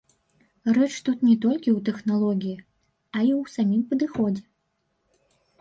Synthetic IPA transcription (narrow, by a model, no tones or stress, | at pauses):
rɛt͡ʂt̪ut̪nʲɛt̪ɔlʲkʲiwt̪ɛxnalˠɔɡʲiji | ɐiwsamʲimpɐd̪ɨxɔd͡zʲɛ